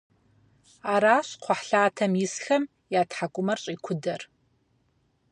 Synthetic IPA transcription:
aːɾaːɕqʷʰɔħɬaːtʰɐmjɪsxɐm | jaːtħakʷʼʊmɐrɕʼiːkʷʰʊdɐr

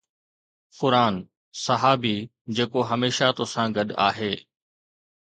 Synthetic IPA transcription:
qʊɾaːn | sɐɦaːbi | d͡ʑeːkoɦɐmeːʃat̪osãɡɐɗa̰ːɦeː

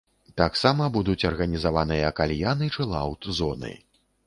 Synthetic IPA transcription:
t̪aksamɐbud̪ut͡sʲɐrɣɐnʲizavanɨjɐːkalʲjanɨt͡ʂɨlˠawt̪zɔnɨ̰

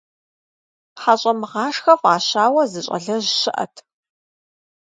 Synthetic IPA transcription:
ħaɕʼɐmɨʁɑːʂxɐfʼaːɕaːwɐzɨɕʼɐ̰ɮɐʑɕɪʔɐ̰tʰ

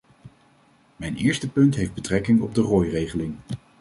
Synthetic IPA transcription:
mɛjnɪ̰ːɹstəpɵntɦejvd̚bətrɛkɪŋɔb̚dərɔːjrejχəlɪŋ

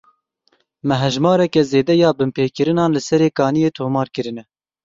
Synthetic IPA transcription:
mɛɦɛʒmɑːɾɛkɛzeːd̪ɛjɑːbɨmpeːkɨɾɨnɑːnlɨsɛɾeːkɑːnijeːt̪ʰoːmɑːɾkɨɾɨnɛ

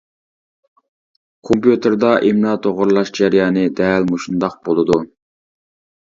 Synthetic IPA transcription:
kʰompjut̪ʰɨɾd̪ɑʔemnɑt̪ʰoʁʊɾlˠɑʃd͡ʒɛɾijɑːnɨd̪ɛlmoʃund̪ɑq̚bolˠɨd̪u

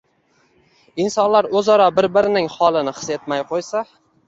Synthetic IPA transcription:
ɪnsɒnlaɾɵzɒɾɒbɪɾbɪɾɪnɪŋhɒlˠɪnɪχɨ̥se̞t̪majqʰojsa

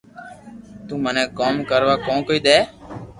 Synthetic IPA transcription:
t̪ũːmənɛ̃ːkoːmkəɾʋaːkõːkoːiːd̪ɛː

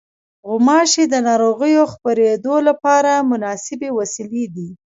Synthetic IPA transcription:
ɣʊmɑʃed̪ənɑɾoɣəjoxpəɾed̪olapɑɾamʊnɑsɪbewasiled̪i

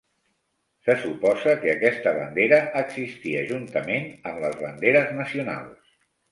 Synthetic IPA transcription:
səsupɔzəkəːkɛst̪əβə̰nd̪eɾəʔːɡzist̪iəʒunt̪əmenəmləzβənd̪eɾəznəsiuna̰lˠs

